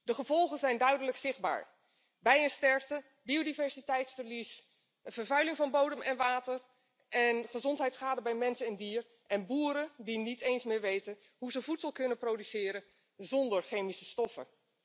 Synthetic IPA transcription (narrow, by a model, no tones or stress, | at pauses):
dəχəv̥ɔlˠχənzɛjndœɥdələksɪχd̚ba̰ːɹ | bɛjənstɛɹftə | biodivɛɹsitɛjtsfəɹlis | vəɹvœɥlɪŋvɑnbowdəmʔɛnʋaːtəɹ | ʔɛnχəzɔntɦɛjtsχaːdəbɛjmɛnsənɪndiːr | ʔɛnbuːɾədinitejnsmɪːɹʋejtən | ɦuzəvutsəlˠkɵnəprowdysɪːɾən | zɔndəɹχejmisəstɔfə̰